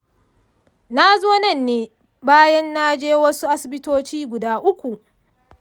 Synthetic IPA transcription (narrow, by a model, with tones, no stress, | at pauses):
na˦zoː˦nɐ˦˨nːeː˦ | baː˦jɐ˦nːa˦d͡ʒeː˦wɐ˦su˦ʔa˦sɪ˨bɪ˦toː˦t͡ʃiː˦ɡʷʊ˨daː˦ʔʊ˦kʷu˨ʔ